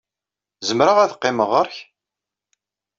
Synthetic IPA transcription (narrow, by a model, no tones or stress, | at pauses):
zəmɾəʁæðqːɪməʁəɾç